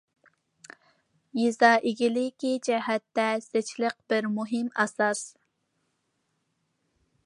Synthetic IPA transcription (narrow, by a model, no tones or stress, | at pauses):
jizɑʔɪɡʲilɪkʲid͡ʒɛɦɛt̪ːɛset͡ʃʰləq̚b̥ɪɾmuɦɪmɛsɑs